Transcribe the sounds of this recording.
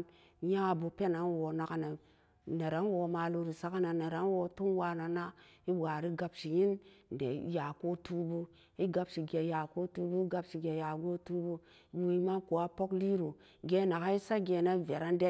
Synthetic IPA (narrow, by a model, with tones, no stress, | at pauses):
n | ja˦˨bu˨pe˦na˨nwo˨na˨ka˨na˨ | ne˨ɾa˨˦n˦wo˨ma˨lu˦ɾi˨sa˦ka˦na˨ne˨ɾa˨˦n˦wo˨tu˦nwa˦na˨na˦i˦wa˨ɾi˦ɡa˨bʃi˨ji˦nn˨dḛ˨ja˨ko˦tu˦bu˦ | i˦ɡa˦bʃi˨ɡe˨ja˨ko˦tu˦bu˦i˦ɡa˦bʃi˨ɡe˨ja˨ɡo˦tu˦bu˦ | bu˨i˦ma˦ko˨a˦po˦kli˦ɾu˨ | ɡe˨na˨ka˦i˦sa˦ɡe˨na˦˨ve˨ɾa˦n˦de˦